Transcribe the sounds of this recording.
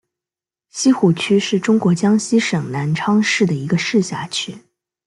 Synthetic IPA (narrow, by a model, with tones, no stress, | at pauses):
ɕi˥xu˨˩t͡ɕʰy˥ʂɻ̩˥˩ʈ͡ʂʊ˥ŋkwɔ˧˥t͡ɕjɑ˥ŋɕi˥ʂɤ˨˩ŋna˧˥nʈ͡ʂʰɑ˥ŋʂɻ̩˥˩d̪ə˩i˧˥ɡə˧ʂɻ̩˥˧ɕja̰˥˩t͡ɕʰy˥